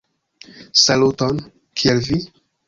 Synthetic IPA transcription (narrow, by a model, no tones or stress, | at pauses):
saluton | kʰielvi